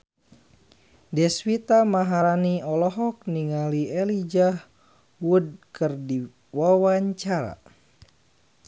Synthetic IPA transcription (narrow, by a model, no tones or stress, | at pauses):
dɛswit̪amaɦaɾaniɔlɔɦɔk̚niŋaliɛlid͡ʒah | wud̚kɨrdi | wawaɲt͡ʃaɾa̰